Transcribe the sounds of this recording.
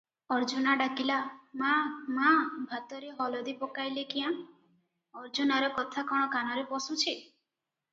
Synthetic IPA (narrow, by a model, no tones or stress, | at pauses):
ɔɾd͡ʒunaɖakilamamabʱat̪ɔɾeɦɔlɔd̪ipɔkajlekijã | ɔɾd͡ʒunaɾɔkɔt̪ʰakɔɽ̃ɔkanɔɾepɔsut͡ʃʰi